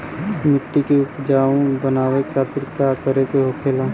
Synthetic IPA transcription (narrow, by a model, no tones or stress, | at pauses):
mɪʈːikeʊpd͡ʒaːõbənaːwekʰaːt̪ɪɾkakəɾek̪eɦoːkʰeːlã